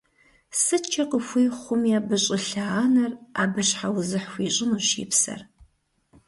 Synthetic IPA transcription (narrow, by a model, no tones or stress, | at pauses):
sɨt͡ʃʰɐqəxʷijχʷʊmjaːbɨɕʼɪɬaaːnɐra̰ːbɨɕħawzɨħxʷiːɕʼɪnuːɕḭːpsɐ̰r